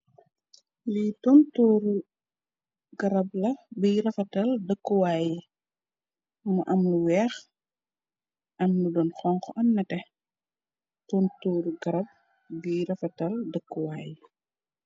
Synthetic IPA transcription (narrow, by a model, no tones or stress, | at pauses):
litɔntuːɾ | ɡ̥ɐɾɐblɐbijɾɐfɐtɐldəkːuwaːj | muʔɐmluwɛːx | ʔɐmludɔnxɔŋkɔʔɐnːɐtɛ | tontuːɾɡɐɾɐb̚ | bijɾɐfɐtɐldəkːuwaːji